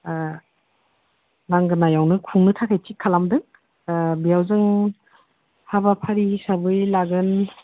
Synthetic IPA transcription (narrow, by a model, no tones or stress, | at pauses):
naŋɡɯnajawnɯkʰuŋnɯtʰakʰajtʰikʰːalamdɯŋ | bijawzɯŋ | haβapʰaɾisabɯjlaɡɯn